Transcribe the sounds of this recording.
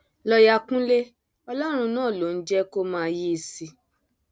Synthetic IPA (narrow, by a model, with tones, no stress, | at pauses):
lɔ˧ja˧kũ˦le˦ | ɔ˧lɔ˦ɾ̃ũ˧nãː˦˨lo˨˦n̩˦d͡ʒɛ˦ko˦mãː˦˧ji˦i˧si˧